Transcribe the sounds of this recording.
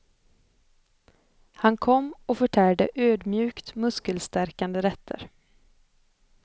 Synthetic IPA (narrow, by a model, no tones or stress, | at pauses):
hankʰɔmːɔfœʈʰæːɖəʔøːd̪mjʉ̟ːkt̪mɵskəlst̪æɾkand̪əɾɛt̪ʰːə̰ɾ